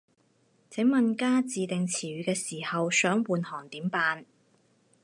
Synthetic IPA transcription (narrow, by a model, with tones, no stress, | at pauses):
t͡sʰɪ˨˥ŋmɐ˨nkaː˥t͡siː˨t̪ɪ˨ŋt͡sʰiː˨˩ɥyː˨˧kɛː˧siː˨˩hɐ˨wsœː˨˥ŋwuː˨nhɔː˨˩ŋt̪iː˨˥mpaː˧n